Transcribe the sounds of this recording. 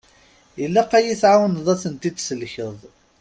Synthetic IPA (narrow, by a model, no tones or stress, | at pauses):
jəlːæqːæjiθʕawənðˤæθənt̪id̪səlçəðˤ